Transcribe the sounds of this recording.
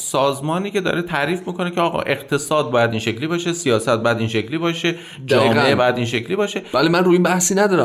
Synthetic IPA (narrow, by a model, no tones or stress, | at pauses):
sɒːzmɒːniːcʰe̞d̪ɒ̰ːɾet̪ʰæɾiːfmiːkʰo̞ne̞cʰeɒːɣɒ̰ʔe̞qt̪ʰe̞sɒːd̪̚bɒːjæd̪iːnʃecliːbɒːʃesijɒːsæt̪̚bɒːjæd̪inʃecʰliːbɒːʃe | d͡ʒɒːiːmeʔebɒːjæd̪iːnʃe̞cʰliːbɒːʃevælimænɾuːinbæhsiːnæd̪ɒːɾæ